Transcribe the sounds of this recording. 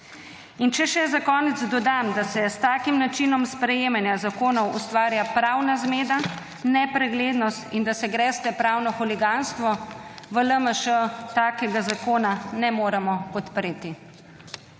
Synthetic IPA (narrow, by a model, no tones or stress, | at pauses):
int͡ʃɛʃɛzakɔːnɛd̪zd̪ɔd̪amd̪asɛst̪aːkimnat͡ʃinɔmspɾɛjeːmanjazakoːnɔwʔust̪ʋaːɾjapɾawnazmeːd̪a | nɛpɾɛɡleːd̪nɔst̪ind̪asɛɡɾɛst̪ɛpɾaːwnɔxuliɡanst̪ʋɔʋələməʃət̪aːkɛɡazakoːnanɛmoːɾɛmɔpɔt̪pɾeːt̪i